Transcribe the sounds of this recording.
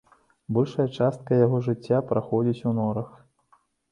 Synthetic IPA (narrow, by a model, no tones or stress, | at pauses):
bɔlʲʂɐjɐt͡ʂast̪̚kɐjaɣɔʐɨt͡sʲːapɾaxɔd͡zʲit͡sʲunɔɾɐx